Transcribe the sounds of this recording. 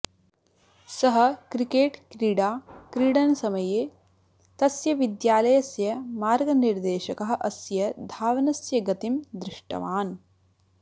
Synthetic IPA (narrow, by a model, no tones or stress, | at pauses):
sɐɦɐ̆kɾikeːʈkɾiːɽaːkɾiːɽɐnɐsɐmɐje | t̪ɐsjɐʋid̪jaːlɐjɐsjɐmaːɾɡɐniɾd̪eːʃɐkɐɦɐ̆ʔɐsjɐd̪ʱaːʋɐnɐsjɐɡɐt̪imd̪ɾɪʂʈɐ̰ʋaːn